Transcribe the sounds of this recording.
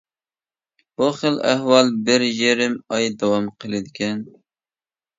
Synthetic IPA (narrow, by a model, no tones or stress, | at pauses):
b̥uχəlæhwɑlˠbɪɾjeɾɪmɑjd̪ɑwɑmqʰəlˠɨd̪ɪkʲɛn